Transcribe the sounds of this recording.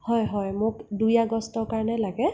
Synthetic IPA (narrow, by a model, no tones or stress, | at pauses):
hɔjɦɔjmʊkdujaɡɔstɔɹkaɹnɛlaɡɛ